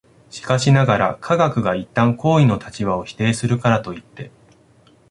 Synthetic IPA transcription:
ɕi̥kaɕinaɡaɾa̰kʰaɡakɯ̟ɡait̪ːãŋko̞ːino̞t̪ʰat͡ɕiβao̞çi̥t̪e̞ːsɨɾɯ̟kaɾat̪o̞it̪ːe̞

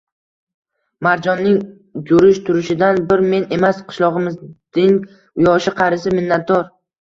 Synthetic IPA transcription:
maɾd͡ʒɒnːɪŋ | d͡ʒʊɾɪʃt̪ʰʊɾɪʃɪd̪anbɪɾme̞ne̞masqʰɨ̥ʃlˠɒʁɨmɪzd̪ɪŋ | ʊjɒʃɪqʰɑɾɪsɪmɪnːat̪̚d̪ɒɾ

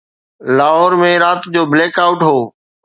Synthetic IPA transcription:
laːɦɔːɾmẽɾaːt̪d͡ʑoːbleːkaːʊʈɦoː

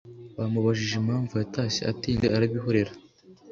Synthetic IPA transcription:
βamuβaʒiʒemaːɱvujataseatiːndeaɾaβiɦo̞ɾe̞ɾa

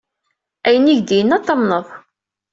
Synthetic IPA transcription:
æjəniʝd̪ijənːæt̪ˤːɑmnəðˤ

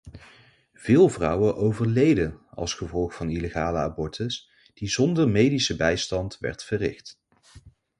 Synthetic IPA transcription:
v̥ɪːlˠvrʌwəʔowvəɹlejdəɑ̰lˠsχəvɔlˠχfɑnileχaːləa̰bɔɹtʰəs | d̥izɔndəɹmejdisəbɛjstɑntʋɛ̰ɹtfərɪ̰χt

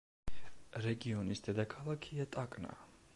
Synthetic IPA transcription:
ɾɛɡiɔnisd̪̥ɛd̪akʰalˠakʰiat̪ʼakʼna̰

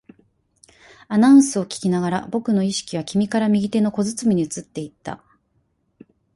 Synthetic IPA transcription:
anãɯ̃sɨo̞kʲi̥kʲinaɡaɾabo̞kɯ̟no̞iɕi̥kʲiβakʲimʲikaɾamʲiɡʲit̪e̞no̞ko̞zɨt͡sɨmʲiɲ̟iɯ̟t͡sɨt̪ːe̞it̪ːa̰

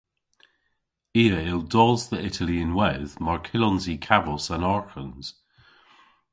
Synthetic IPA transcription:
iːəɪlˠdɔzðəɪtʰəliə̃nwɛðmaɹkʰɪlɔnzikʰavɔsənɔɹxənz̥

